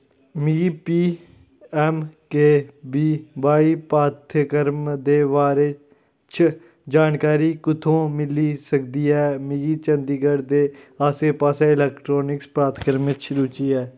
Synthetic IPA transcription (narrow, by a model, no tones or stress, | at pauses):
mipiː | ɛːmkeːbiːbaːiːpaːt̪ʰəkəɾmd̪eːʋaːɾe | t͡ʃʰ | d͡ʒaːnkaːɾiːkʊt̪ʰõːmɪliːsəkd̪iːɦɛːmɪɡiːt͡ʃənd̪iːɡəɾd̪eːaːseːpaːsɛ̃ːɪlɛːkʈɾoːnɪkspɾaːt̪ʰkəɾmɪt͡ʃʰɾuːt͡ʃiːɛː